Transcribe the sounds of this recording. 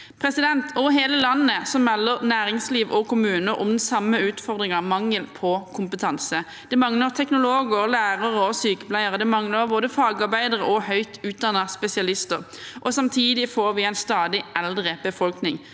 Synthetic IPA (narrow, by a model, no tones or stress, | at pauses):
pʰʁɛsɪd̪ɛnt̪ʰɔɦeːləlɑnːəsɔmmɛlːəʁnæːɾɪŋsliːʋʔɔkʰʊmʉːnəɾʔʊ̰md̪nsɑmːəʉːt̪fɔʁd̪ʁɪŋɑʁmɑŋːəlpʰɔkʰʊmpət̪ʰɑnsə | d̪̥ɛmɑŋləʁt̪ʰɛknʊloːɡəʁlæːʁəʁəɔsyːkə̥pʰlæɪəʁəd̪ɛmɑŋləɾboːd̪əfɑːɡɑʁbæɪd̪əʁəʔɔhœʏt̪ʰʉːt̪̚d̪ɑnɑspɛsɪɑlɪst̪əʁ | ʔɔsɑmt̪ʰiːd̪ɪfoːɾʋɪæɪnst̪ɑːd̪ɪʔɛld̪ʁəbəfɔlknɪŋ